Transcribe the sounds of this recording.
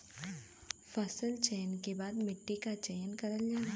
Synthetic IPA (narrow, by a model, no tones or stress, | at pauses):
fɐsəlt͡ʃɛːnkebaːd̪mɪʈːikat͡ʃɛjnkɐɾəld͡ʒaːa